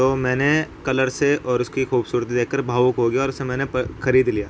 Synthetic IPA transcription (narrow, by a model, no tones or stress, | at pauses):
t̪oːmɛ̃ːnekɐləɾseʔɔːɾʊskixuːbsuːɾt̪id̪eːkkːəɾbʱaːʋʊkɦoːɡijaɔːɾʊsemɛ̃ːnexɐɾiːd̪lijaː